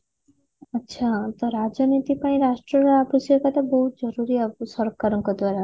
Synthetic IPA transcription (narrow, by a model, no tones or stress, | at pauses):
ətːʃʰat̪ɔɾad͡ʒɔnit̪ipãĩɾasʈɾɔɾapisjɔɾkat̪ʰabɔɦut̪d͡ʒɔɾuɾiasɔɾɔkaɾɔŋkɔd̪waɾa